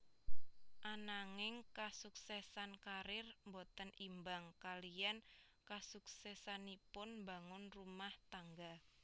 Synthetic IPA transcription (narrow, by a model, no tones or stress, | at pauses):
ʔanaŋɪŋkasuksɛsankaɾɪrmbot̪ənimbaŋkalijan | kasuksɛsanipʊnmbaŋʊnrumaht̪aŋɡa